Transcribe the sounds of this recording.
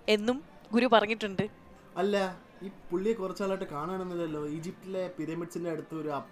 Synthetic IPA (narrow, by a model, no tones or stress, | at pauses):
e̞nːum | ɡuɾupɐrɐŋːiʈːuɳɖɨ | ɐlːɐ | iːpuɭːijekurɐt͡ɕːaːɭaːjiʈːɨkaːɳaːɳunːɐðɐlːo̞ːiːd͡ʑip̚ʈile̞piɾɐmiɖsindeɐɽut̪ːɐoɾuɐ